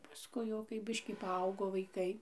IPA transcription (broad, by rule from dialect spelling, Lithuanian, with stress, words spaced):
pɐˈskʊɪ jɛʊ kɐɪ ˈbʲɪʃʲkʲiː pɐˈɐʊɡoː ʋɐɪˈkɐɪ